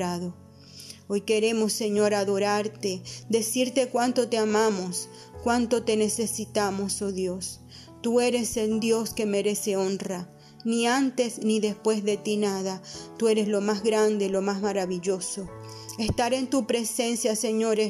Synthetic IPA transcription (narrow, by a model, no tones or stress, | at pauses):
ɾaðo | ojke̞ɾe̞mosːeɲo̞ɾaðo̞ɾaɾt̪ed̪e̞siɾt̪e̞kwant̪o̞t̪eamamos | kwant̪o̞t̪e̞nesesit̪amosoðjos | t̪ue̞ɾe̞sed̪jo̞skeme̞ɾe̞seo̞nra | niant̪e̞sniðespwe̞zðe̞t̪inaðat̪ue̞ɾeslo̞mazɣɾand̪elomazmaɾaβiʎo̞so | est̪aɾe̞nt̪upɾese̞nsjaseɲoɾe